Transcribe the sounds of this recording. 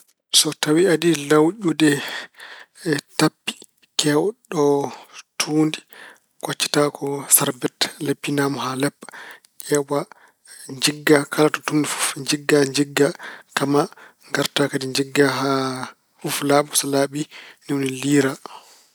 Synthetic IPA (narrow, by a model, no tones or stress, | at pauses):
sɔtawiaɗilawɗudɛ | tapːi̥ | kɛwɗɔtʰuːndi | kat͡ʃːɛ̥takʰɔsaɾbɛtlepːinamhalɛpːḁ | kɛwa | ɲd͡ʒiɡːakʰalatɔtundifu̥fɲd͡ʒiɡːaɲd͡ʒiɡːakamaŋɡaɾtakadiɲd͡ʒiɡːaɦa | fuflaːɓɔsɔlaɓiniwniliːɾa